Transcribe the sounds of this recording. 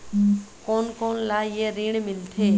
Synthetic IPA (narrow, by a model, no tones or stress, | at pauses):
koːnkoːnlajeɾiːɳ̃mɪlt̪ʰeː